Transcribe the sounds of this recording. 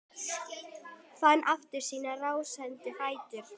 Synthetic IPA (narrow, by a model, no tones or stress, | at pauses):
fanːʔaft̪ɪɾ̥siːnaraːwsɛnt̪ɪfaːjt̪ɪɾ̥